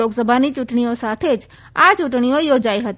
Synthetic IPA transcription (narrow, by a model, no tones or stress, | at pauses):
oɡsəbʱanit͡ʃuʈɳ̃iõsat̪ʰed͡ʒ | at͡ʃuʈɳ̃iõjod͡ʒaiɦət̪